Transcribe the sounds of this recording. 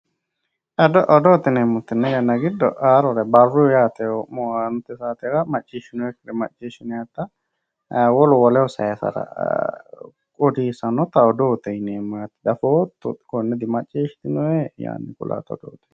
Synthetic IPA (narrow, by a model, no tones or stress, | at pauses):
ʔɐd̪ɔʔɔd̪oːt̪ɪnemːʊt̪ːɪnːɛjɐnːɐɡɪd̪ːɔ̰ʔaːɾɔɾɛbɐrːujaːt̪ɛɔmɔaːnʊt̪ːɛsaːt̪ɛɾɐmɐt͡ʃʼːiʃɪnʊɛkɪɾɛmɐt͡ʃʼːiʃɪnʊjɐt̪ːɐ | wɔlɔwɔlɛwɔsɐjɛsɐ̰ɾɐ̰ | kʼɔd̪iːsɐnɔt̪ɐɔd̪oːt̪ɛneːmːɐjɐt̪ːd̪ɐfoːt̪ːʊt̪kɔnːɛd̪ɪmɐt͡ʃʼːiːʃt̪ɪnʊɛja̰ːnːɛkʊ̰la̰ːt̪ɔ̰d̪o̰ːt̪ɛ̥